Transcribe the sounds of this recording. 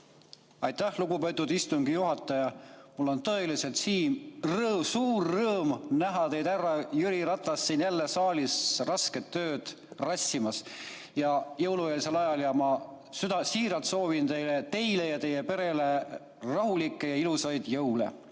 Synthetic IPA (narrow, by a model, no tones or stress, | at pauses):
ɑjt̪ːæhluɡ̥upe̞t̪ːˑud̪ist̪uŋɡ̥ijuɦɑt̪ːˑɑjɑmulːo̞nt̪ɤ̞e̞lise̞lt̪siːmrɤsuːrːɤːmnæɦɑt̪e̞jd̪ærːɑjyɾiɾɑt̪ːˑɑsːiːnjælːe̞sɑːlisrɑske̞t̪ːøːd̪̥ | rɑsʲːimɑs | jɑjɤwluelise̞lɑjɑljɑmɑ | syd̪ɑsiːɾɑlt̪so̞ːvint̪e̞jlet̪e̞jle̞jɑt̪e̞je̞pe̞ɾe̞le̞ | rɑɦulikːˑe̞jɑilusɑjd̪̥jɤwlḛ